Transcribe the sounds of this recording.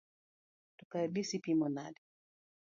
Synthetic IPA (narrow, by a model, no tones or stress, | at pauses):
tukaɗisipimɔnaɗi